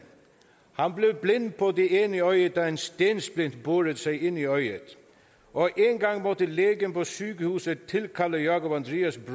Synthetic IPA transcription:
hɑnbleʋblɪnːpʰɔd̪ieːniœʏəd̪ɑːenst̪eːnsblɪn̥t̪boːɾət̪sæɪɪniœʏə̰t̪ | ʔɔʔeːŋɡɑŋːmɔt̪əleːɡənpʰɔsyːkəhuːsət̪ʰːɪlkʰɑləjɑːkʊpɑnd̪ɾiːɑsbɾ

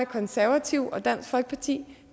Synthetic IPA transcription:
kʰɒ̽nsæɐʋæt͡sʰiʊ̰ɒ̽d̥æn̰sɡ̥fɒ̽lɡ̥ə̥pʰɑt͡sʰḭː

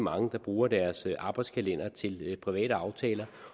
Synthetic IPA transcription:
mɑ̈ŋəd̥ɑ̈b̥ʁuːɐd̥æɐsʔɑ̈ːb̥ɑ̈ɪd̥skʰælen̰ɐt͡sʰe̝lpʰʁiʋɛ̰ːɾ̥əɑ̈ʊt͡sʰɛ̰ːlɐ

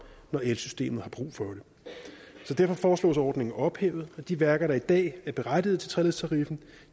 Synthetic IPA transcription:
nɒelsysd̥e̝̰ːmð̩ˠhɑ̈b̥ʁṵːfɒ̽ɾ̥e̝ | sɒ̽d̥æɐfɒ̽fɒːslɔ̰ːsɒːd̥ne̝ŋn̩ɒ̽b̥hḛːʊð̞̩ˠæd̥iʋæɐɡ̥ɐɾ̥ɑ̈id̥ɛ̰ːæɐb̥e̝ʁad̥ið̩ˠt͡sʰe̝t͡sʰʁɛle̝ðˠst͡sʰɑ̈ʁifn̩

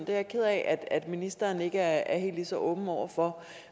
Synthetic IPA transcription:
nd̥e̝æɐkʰeð̰ˠɛʔæd̥æd̥minisd̥ɐːne̝ɡ̥əæɐæɐɦe̝̰ːld̥lisɒ̽ʔɔ̽ːb̥n̩ɒʊ̰ɐfɒ̽

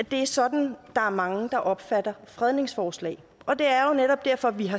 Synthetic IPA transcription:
d̥e̝æɐsɒ̽d̥n̩d̥ɑ̈æɐmɑ̈ŋəd̥ɑ̈ʔɒ̽b̥fæd̥ɐfʁɛð̞ˠne̝ŋsfɒːslɛ̰ː | ɒ̽d̥e̝æɐjo̝neɾ̥ɒ̽b̥̚d̥æɐ̰fɒ̽ʋiɦɑ̈

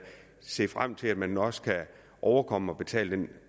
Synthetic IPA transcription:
se̝̰ːfʁam̰t͡sʰe̝læd̥mænɒ̽skʰæ | ʔɒʊɐkʰɒ̽məɒ̽b̥e̝t͡sʰɛ̰ːləd̥en

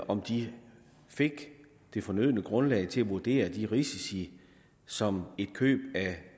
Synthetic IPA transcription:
ɒ̽md̥i | fe̝ɡ̥ | d̥e̝fɒ̽nøð̰ˠnəɡ̥ʁɔ̽nlɛ̰ɪt͡sʰe̝læʋuɐd̥e̝̰ːɐd̥iʁisisi | sɒ̽me̝d̥kʰø̰ːb̥æ

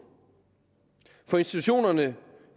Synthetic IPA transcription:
fɒ̽e̝nsd̥i̥t͡sʰuɕo̝̰ːnɐnə

